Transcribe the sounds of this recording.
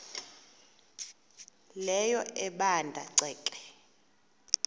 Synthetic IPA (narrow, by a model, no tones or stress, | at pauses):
lɛjɔɛɓandʱa̰ǀʱɛːkʼɛ